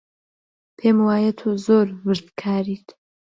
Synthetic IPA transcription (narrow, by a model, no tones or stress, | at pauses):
pʰeːmwaːjɐt̪ʰuzoːɾvɨɾd̪kʰaːɾiːt̪